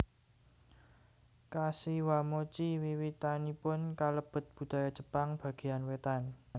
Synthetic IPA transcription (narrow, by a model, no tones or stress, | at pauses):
kasiwamot͡ʃiwiwit̪anipʊnkaləb̥ə̤t̪̚b̥ṳd̪̥a̤jad̥ʒ̥ə̤̥paŋb̥ä̤ɡ̥e̤anwet̪an